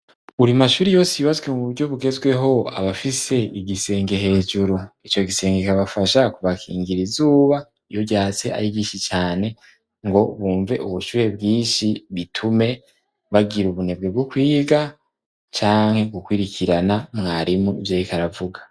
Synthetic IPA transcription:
uɾimaʃuːɾijo̞ːsijuβazɡwe̞muβuɾɟo̞βuɡe̞zɡwe̞ɦo̞a̰βafise̞iɡise̞ːŋɡe̞ɦe̞ːd͡ʒuɾuit͡ʃo̞ɡise̞ːŋɡekaβafaʃakuβakʰḭːŋɡiɾizuːβa | ijoɟaːt͡se̞ʔa̰ɾibɟiːʃit͡ʃaːne̞ | ŋɡo̞βuːɱve̞ʔuβuʃuːɾe̞bɡiːʃiβitʰume̞ | βaɡiɾuβune̞b̚ɡe̞bɡokwiːɡa | t͡ʃaːŋ̥he̞ɡukwiɾikʰiɾanamŋaːɾimuvjeːɾikaɾavuɡḁ

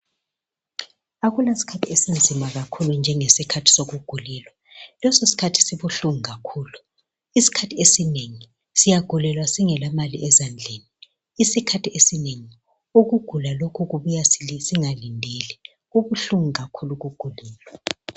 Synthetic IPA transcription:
aɣulasi̥kʰatʰiesind͡zʱimaɣakʰulund͡ʒʱɛŋesikʰatʰi̥soɣuɡ̥ʱulɛlwa | lɔsosi̥kʰatʰi̥siβuɬuŋiɣakʰuːlu | isi̥kʰatʰiesineŋi | sijaɡ̥ʱulɛlwasiŋɛlamaliʔɛzand͡ɮʱeni | isikʰatʰiesineŋi | uɣuɡ̥ʱulalokʰuɣuβujassiŋalindʱɛlɛ | uβuɬuŋiɣakʰuluɣuɡ̥ʱulɛːlwa

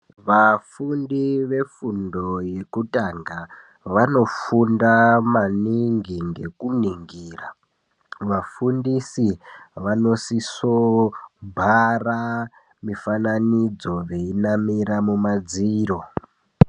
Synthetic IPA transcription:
ʋafundiʋe̞fundo̞je̞kutʼaŋɡa | ʋano̞fundamaniŋɡiŋɡe̞kuniŋɡiːra | ʋafundisiʋano̞sisobʱara | mifananid͡zo̞ʋe̞inamiɾamumad͡ziːɾo̞

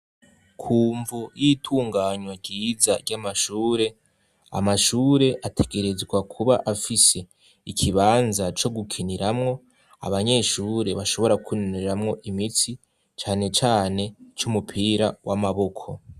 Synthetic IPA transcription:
kʰuːɱvujitʰuːŋɡaːɲwaɾɟiːzaɾɟamaʃuːɾe̞ | a̰maʃuːɾe̞ʔatʰe̞ɡe̞ɾe̞zɡwakʰuβaʔafise̞ | ikʰiβaːnzat͡ʃo̞ɡukʰiniɾamŋo̞ | a̰βaɲe̞ːʃuːɾe̞βaʃo̞βo̞ɾakʰunoneɾamŋo̞ʔimit͡si | t͡ʃaːne̞t͡ʃaːne̞t͡ʃumupʰiːɾawamaβo̞kʰo̞

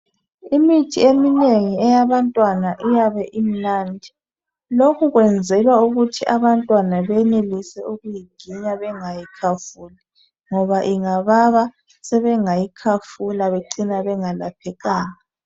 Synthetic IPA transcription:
imitʰiemineŋiɛjaβantʼwanaʔijaβɛʔim̩naːndʱi | lokʰuɣwɛnd͡zʱɛlwauɣutʰiʔaβantʼwanaβɛnelisɛuɣujiɡ̥ʱiɲaβɛŋajikʰafuli | ŋɔβaʔiŋaβaβa | sɛβɛŋajikʰafulaβeǀinaβɛŋalapʰɛɣaːna

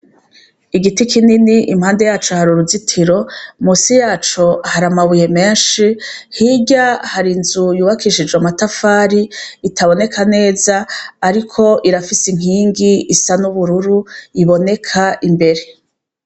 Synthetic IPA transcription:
iɡitikʰininiʔimhaːnde̞jaːt͡ʃohaɾuɾuzitʰiɾo̞musijaːt͡ʃoahaɾamaβuje̞me̞ːnʃihiɟahaɾinzujuːβakiʃid͡ʒɡamatafaːɾiːtʰaβo̞ne̞kʰane̞ːzaːɾikʰo̞ʔiɾafisiŋ̥iːŋɡiisanuβuɾuɾuiβo̞ne̞kʰaʔimbe̞ɾe̞

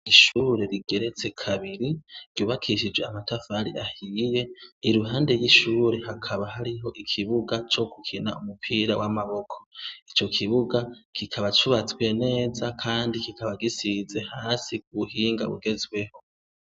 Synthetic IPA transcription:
iʃuːɾe̞ɾiɡe̞ɾe̞t͡se̞kʰaβiɾiɾɟuːβakʰiʃid͡ʒweamatʰafaɾḭahije̞iɾuɦaːnde̞jiʃuːɾe̞hakʰaβahaɾiɦo̞ʔikʰiβuɡat͡ʃo̞ɡukʰina̰umupʰiːɾawʔamaβo̞kʰo̥it͡ʃo̞kʰiβuɡakʰikʰaβat͡ʃuβat͡swe̞ne̞ːzakʰaːndikikʰaβaɡisize̞haːsikuβuhiːŋɡaβṵɡe̞zwe̞ho̞

